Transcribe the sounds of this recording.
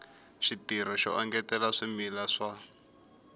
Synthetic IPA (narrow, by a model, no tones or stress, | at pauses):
ʃitiɾ̤ɔʃɔ̰ʔaŋɡɛtɛlaʂimilaʂa